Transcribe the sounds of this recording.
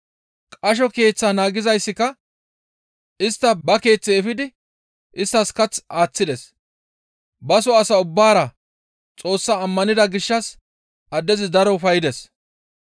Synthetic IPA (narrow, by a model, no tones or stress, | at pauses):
kʼɐʃ̬ɔke̞ːt͡sːaːnaːɡɪzɐjsːɪkːɐ | ɪst̪ːɐbɐke̞ːt͡sːɛɛfɪd̪ɪ | ʔɪst̪ːɐskɐt͡saːt͡sːɪd̪ɛs | bɐsɔɐsɐʊbːaːɾɐ | t͡sʼo̞ːsːaːmːɐnɪd̪ɐɡɪʃːɐs | ɐd̪ːɛzɪd̪ɐɾɔʊfɐjɪd̪ɛs